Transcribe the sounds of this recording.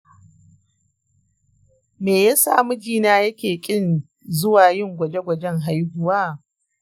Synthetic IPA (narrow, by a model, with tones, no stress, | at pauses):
meː˨ja˦sa̰ː˦mʊ˦d͡ʒiː˦naː˦jɐ˦kʲeː˨kʲʼɪ˦n | zʊ˦waː˨jɪ˦ŋɡʷɐ˨d͡ʒe˦ɡʷɐ˨d͡ʒɛ˦ŋɦa˦jhʊ˦waː˦˨